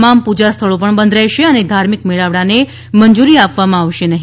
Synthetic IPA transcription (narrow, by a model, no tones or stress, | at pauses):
mampud͡ʒast̪ʰəɭop̬əɳbənd̪ʱɾɛɦʃeəned̪ʱaɾmikmiɭaʋɽane | mənd͡ʒuɾiapʋamãaʋʃenəɦi